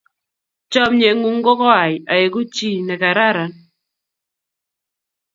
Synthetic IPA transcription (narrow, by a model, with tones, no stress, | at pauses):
t͡ʃɔ˦mɲe˨ŋu˨ŋɡɔ˦kɔ˦a˨ja˨e˨ɡu˦t͡ʃi˦nɛ˨ka˨ɾa˦ɾa˨n